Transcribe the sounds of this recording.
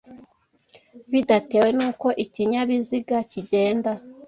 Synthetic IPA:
βidate̞ːwe̞nuːko̞ʔiciɲaβiziɡaciɟe̞ːnda

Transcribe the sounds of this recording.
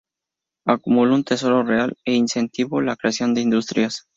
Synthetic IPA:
akumulount̪e̞so̞ɾo̞realeinse̞nt̪iβolakɾeasjo̞nd̪eind̪ust̪ɾjas

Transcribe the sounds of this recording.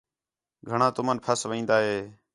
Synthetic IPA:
ɡʱəɳãːt̪ʊmənpʰəsʋĩːnd̪aːɦeː

